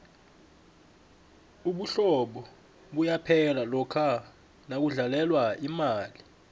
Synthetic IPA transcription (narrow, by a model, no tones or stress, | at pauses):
uɓuɬɔɓɔ | ɓujapʰɛlalɔkʰa | nak̬uɮalɛlwaimaːli